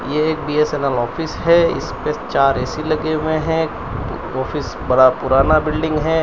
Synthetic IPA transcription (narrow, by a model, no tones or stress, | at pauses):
jeeːk̚biːeseːnəlɔːfʰɪsɦɛɪ̰spet͡ʃaːɾɛːsilɐɡemẽɦɛ̃ | ɔːfɪs | bɐɽapʊɾaːnabɪlɖɪ̃ŋɡɦɛː